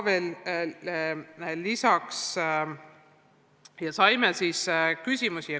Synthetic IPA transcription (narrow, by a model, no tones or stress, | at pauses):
veːl | lisɑks | jɑsɑjmelsiskysʲimusi